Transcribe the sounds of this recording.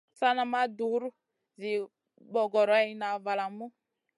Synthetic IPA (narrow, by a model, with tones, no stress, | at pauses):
sa˦na˨ma˦du˨˦ɾu˦ | zi˨ | bɔ˨ɡɔ˨ɾɔ˨˦ɛ˦i˦na˨va˨la˨mu˦